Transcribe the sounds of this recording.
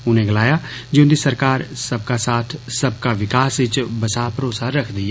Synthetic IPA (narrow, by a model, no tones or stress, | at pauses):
ʊnẽɡɐlaːjad͡ʒõːd̪isɐɾkaːɾsɐb̚kasaːt̪ʰsɐbkaʋɪkaːsɪt͡ʃbɐsaːpɾoːsaɾɐkʰd̪ija